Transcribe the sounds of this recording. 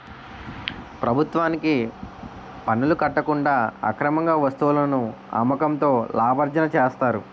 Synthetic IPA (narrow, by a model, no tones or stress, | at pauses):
pɾɐbʱut̪ʋaːniki | pɐnːulukɐʈːɐkuɳɖaːɐ̰kɾɐmɐŋɡaːʋɐst̪uwulɐnu | ɐ̰mːɐkɐmt̪o̞ːlaːbʱɐɾd͡ʒɐnɐt͡ʃeːst̪aːɾu